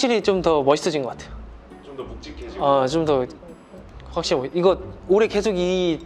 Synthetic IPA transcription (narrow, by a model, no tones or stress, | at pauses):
akɕ͈iɾit͡ɕomtʌmʌɕʰis͈ʰʌd͡ʑinɡʌk͈atʰejo | at͡ɕomtʌ | ɸwakɕ͈iɾimʌiɡʌd̚oɾe̞ke̞sʰoɡi